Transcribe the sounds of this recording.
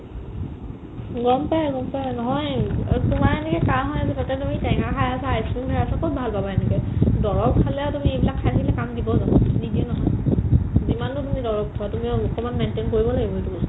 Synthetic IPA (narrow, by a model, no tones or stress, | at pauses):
ɡɔmpajɡɔmpajnɔɦɔjtʊmaɹɛnɛkɛkaɦɔjazɛtɔtɛtumitɛŋakʰajasaajsimbʱɛɹasakʰot̚bʱalpabaɛnɛkɛdɔɹɔk̚pʰalɛɔtumiejbilakʰːajtʰakilɛkamdibɔzadidiɛnɔɦɔj | zimantʊtumidɔɹɔk̚tʰɔatumiɔkɔmanmɛntenkoɹibɔlaɡibɔetu